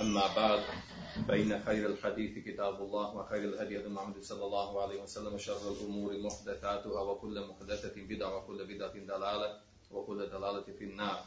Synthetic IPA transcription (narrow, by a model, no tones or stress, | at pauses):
ʔamːaːbaʕd̪ | bajnaxajɾalħad̪iːθkɪt̪aːbɑlˤːaːwaxajɾalhad̪jʔad̪almʊʕamːad̪sˤɑlːɑlˤːɑːhʕalaːhɪwasalːamʃɑrˤːalʔʊmuːɾmʊħd̪aθaːt̪ʊhaːwakʊlːmʊħd̪aθabɪd̪ʕawakʊlːabɪd̪ʕad̪ˤɑlaːla | wɪkʊlːd̪ɑlaːlafinːɑːɾˤ